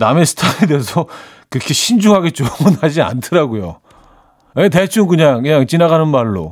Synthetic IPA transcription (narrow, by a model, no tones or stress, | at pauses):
name̞sʰɯ̥tʰaɾedeesʰʌ | kɯɾʌkʰe̞ɕʰind͡ʑuɦaɡe̞t̚t͡ɕ͈omɯnad͡ʑia̰ntʰɯɾaɡojo̰ | ete̞t͡ɕʰuŋkɯɲaŋkɯɲaŋt͡ɕinaɣanɯnmaɭːo̰